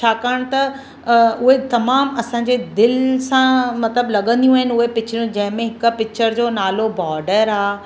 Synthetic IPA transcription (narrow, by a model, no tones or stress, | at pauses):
t͡ɕʰaːkəɽ̃t̪ɐ | ʊɦet̪ɐmaːmɐsãːɲd͡ʑed̪ɪlsãmɐt̪ləblɐɠə̃nd̪ijũaːɦɪn̆ʊɦepɪt͡ɕʰɾjũd͡ʑɐ̃ɦɪ̃mẽɦɪkpɪkt͡ɕʰəɾd͡ʑoːnaːlobɔːɾɖəɾaː